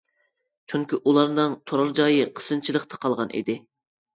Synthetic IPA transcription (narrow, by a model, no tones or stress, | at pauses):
t͡ʃʰyŋkʲiʔulˠɑɾnɨŋt̪ʰoɾɑɾd͡ʒɑjɨqʰə̥sɨnt͡ʃʰilˠəqt̪ʰɑ̥qʰɑlˠʁɑnʔḭd̪ɪ